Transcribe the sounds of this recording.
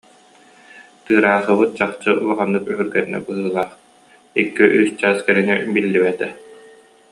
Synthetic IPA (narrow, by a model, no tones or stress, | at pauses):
t̪ɯːɾaːχɯβɯt̪̚t͡ɕaχt͡ɕɯʔulˠaʁanːɯkyɦyɾɡɛɾinɛ̰bɯɦɯːlˠaːχ | ikːiʔyːst͡ɕaːskɛɾinibilːiβɛt̪ɛ